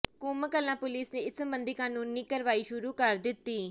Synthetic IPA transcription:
kuːməkəlːãːpʊliːsneːɪssəmbənd̪iːkaːnũːnːiːkəɾʋaːiːʃʊɾuːkəɾd̪ɪt̪ːiː

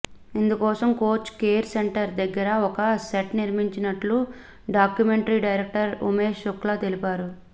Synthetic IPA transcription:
ind̪ukɔːsɐmko̞ːt͡ʃːkeːɾseɳʈɐɾd̪ɐɡːɐɾɐɔkɐseʈniɾmiɲt͡ʃinɐʈlu | ɖaːkjume̞ɳʈɐɾiːɖɐjɾek̚ʈɐɾṵmeːʃukːlaːt̪elipaːɾu

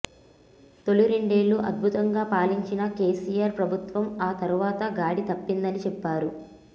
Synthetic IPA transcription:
t̪o̞luɾiɳɖe̞ːluʔɐ̰d̪̚bʱut̪ɐŋɡaːpaːliɲt͡ʃinɐke̞ːsijaːɾpɾɐbʱut̪ʋɐmaːt̪ɐɾuʋaːt̪ɐɡaːɽit̪ɐpːind̪ɐnit͡ʃɛpːaːɾu

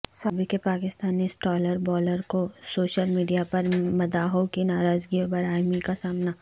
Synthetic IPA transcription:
saːbɪkepaːkɪst̪aːnisʈɔːləɾbɔːləɾkosoːʃəlmiːɖijapɐɾmɐd̪aːɦokinaːɾaːzɡiobɐɾaːjmikasaːmna

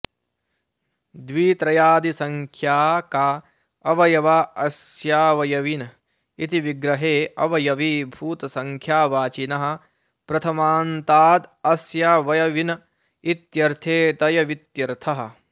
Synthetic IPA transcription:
d̪ʋiːt̪ɾɐjaːd̪isɐŋkʰjaːkaː | ɐʋɐjɐʋaːɐsjaːʋɐjɐʋinɐ | it̪iʋiɡɾɐɦeːɐʋɐjɐʋiːbʱuːt̪ɐsɐŋkʰjaːʋaːt͡ʃinɐɦɐ̆ | pɾɐt̪ʰɐmaːnt̪aːd̪ɐsjaːʋɐjɐʋinɐ | it̪jɐɾt̪ʰeːt̪ɐjɐʋit̪jɐɾt̪ʰɐɦɐ̆

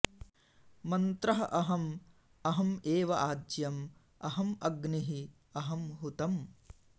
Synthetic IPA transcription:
mɐnt̪ɾɐɦɐʔɐɦɐm | ɐɦɐmeːʋɐʔaːdjɐm | ɐɦɐmɐɡniɦi | ɐɦɐmɦut̪ɐm

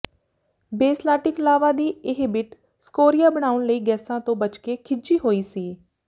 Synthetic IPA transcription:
beːslaːʈɪklaːʋãːd̪iːɪɦbɪʈ | skoːɾijaːbəɽ̃aːʊɳləiːɡɛːsãːt̪õːbət͡ʃkeːkʰɪd͡ʒiːɦoːiːsiː

